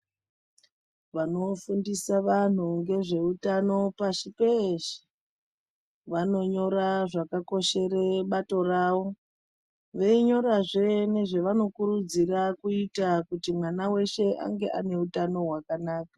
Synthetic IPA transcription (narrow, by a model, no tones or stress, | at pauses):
ʋano̞fundisaʋan̤uŋɡe̞ʐe̞utano̞paʃipeʃi̥ | ʋano̞ɲo̞ɾaʐakako̞ʃe̞re̞ɓato̞raːʋo̞ | ʋeiɲo̞ɾaʐe̞ne̞ʐe̞ʋano̞kurud͡zirakuitakutimwanawe̞ʃe̞ʔa̰ŋɡe̞̰a̰ne̞utano̞ɦwakanaːkḁ